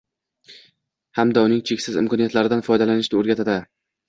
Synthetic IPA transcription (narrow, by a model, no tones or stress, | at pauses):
hamd̪aʊnɪŋt͡ʃʰekʲsɪzɪ̰mkʰɒnijat̪laɾɪd̪anfɒjd̪alanɪʃnɪoɾɡʲat̪ʰad̪ɪ